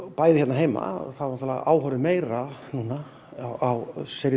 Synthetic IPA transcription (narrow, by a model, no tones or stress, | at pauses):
paːjðɪçɛt̪naɦeːjma̰θaaɾnt̪ʰalaʔa̰ːwhœɾɪmeːjɾanuːna | awseɾɪ